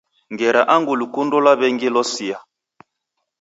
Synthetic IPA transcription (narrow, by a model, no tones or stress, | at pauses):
ŋɡɛɾaʔaŋɡulukundolaβɛŋɡilɔsia